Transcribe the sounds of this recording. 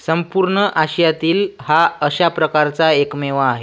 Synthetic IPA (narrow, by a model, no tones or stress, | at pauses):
səmpuɾɳəʔaɕəjat̪iːlhaəɕapɾəkaɾt͡saekmeʋaːɦe